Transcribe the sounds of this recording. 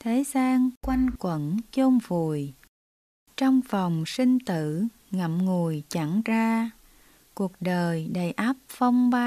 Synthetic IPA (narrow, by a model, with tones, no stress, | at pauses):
t̪ʰe˨˦zaː˧ŋkwa˧jŋkwə̰˧˥nt͡ɕo˧mvu˨˩j | t͡ɕɔ˧wŋ͡mfɔ˨˩wŋ͡msï˧ŋ̟t̪ɨ̰˧˨ | ŋə˨˩m̚ŋu˨˩əjt͡ɕa˧˩ŋzaː˧ | ku˨˩ək̚ɗəː˨˩jɗə˨˩jʔaː˦˥p̚fɔ˧wŋ͡mɓa˧